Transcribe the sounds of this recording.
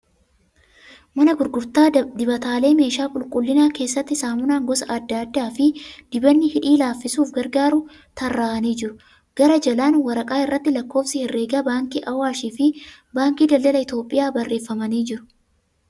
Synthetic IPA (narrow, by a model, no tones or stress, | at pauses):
mɐnɐɡʊɾɡʊɾt̪aːd̪ɪbɐt̪aːle̞ːme̞ːʃaːkʼʊlkʼʊlːɪnaːke̞ːsːɐt̪ːɪsaːmʊnaːŋɡɔsɐʔɐd̪ːaːd̪ːaːfɪd̪̥ɪbɐnːɪhɪᶑiːlaːfːɪsuːfɡɐɾɡaːɾu | t̪ɐrːaːʔɐniːd͡ʒɪɾʊ | ɡ̥ɐɾɐd͡ʒɐlaːnwɐɾɐkʼaːɪrːɐt̪ːɪlɐkːo̞ːfsɪhɪrːe̞ːɡabaːŋkiːʔɐwaːʃiːfɪ | baːŋkiːd̪ɐldɐlɐɪt̪o̞ːpʼɪjaːbɐrːeːfːɐmɐniːd͡ʒɪɾʊ̥